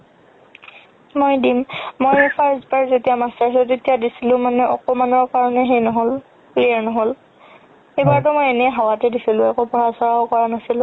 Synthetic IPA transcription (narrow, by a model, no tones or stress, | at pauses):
mojdimmojpʰaɹzbaɹzetijamastaɹstetijadisilʊ̃manɛʔɔ̰kɔmanɔɹkaɹɔnɛɦejnɔɦol | plijaɹnɔɦol | ejbaɹt̬ʊmojenɛɦawatɛdisilʊ̃ɛkopɔɹasɔɹaʊkɔɹanasilʊ̃